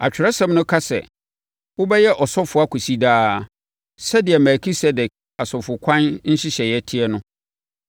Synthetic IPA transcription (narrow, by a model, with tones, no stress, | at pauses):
a̰˨t͡ɕᶣɪ˨ɾɛ˦sã˦m˦nʊ̃˦kʰa˦sɛ̰˨ | wʊ˦bɛ˦jɛ˦ʔɔ˨sɔ˦fʊ˨a˦kʰu˨si˦daː˦ | sɛ˦dɪ˨ɛ˨mɛ˨kʰi˦sɛ˦dɛ˨k̚ | a˨sɔ˨fʊ˨kʷʰã˦nn̩˦ɕɪ˦ɕɛ˨jɛ˦tʰɪ˦ɛ˦nʊ̃˦